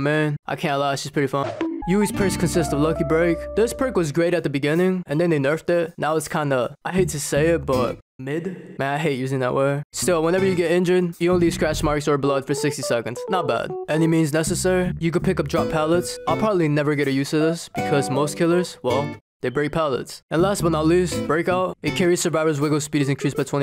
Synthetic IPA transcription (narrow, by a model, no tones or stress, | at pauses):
mæ̃nʔaɪkʰæ̃ntˡlaʊʃispʰɹ̥ɪɾifʌ̃njɨwiz̥pʰɜskʰɨ̃nsɪstʌvlʌkibɹeɪkðɪsb̥ɹɪkwʌzɡɹeɪɾɨt̪̚ðɨbɨɡɪ̃nɪ̃ŋɨ̃nðɨ̃nðeɪnɜ˞ftɪt̚naʊətskʰãɪ̃ndəʔaɪɦeɪtʰɨseɪɪt̚b̥ʌt̚ | mɪdmæ̃naɪɦeɪt̚jʉzɪ̃ŋðə̰ʔwɛɪstɪlˠwə̃nɛvə˞jɨɡɛɾɪ̃nd͡ʒə˞d̚jɨõʊ̃nli̥skɹ̥æʃmɑɹksə˞bloʊd̥fə˞sɪkstisɛkɨ̃ndz̥nət̚b̥æ̰d̥ʔɛnimĩnznɛsɨsɛɹijɨkɨd̚pʰɪkʌp̚dɹɑpʰælˠətsaɪlˠpʰɹ̥ɑbəblinɛvə˞ɡɛɾɨjʉsʌvðɪsb̥ɨkʰʌzmoʊskʰɪlˠə˞z̥wɛlˠðeɪbɹeɪk̚pʰælˠə̰tsɨ̃nlæstwə̃naɪlʉsb̥ɹeɪkaʊt̚ɨkʰɛɹisə˞vaɪvə˞zwɪɡoʊspiɾizɨ̃nkɹ̥isb̥aɪtʰw̥ɛ̃ñ